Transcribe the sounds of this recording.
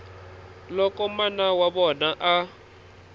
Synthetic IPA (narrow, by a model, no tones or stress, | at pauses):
lɔkʼɔmanawaβɔnaʔa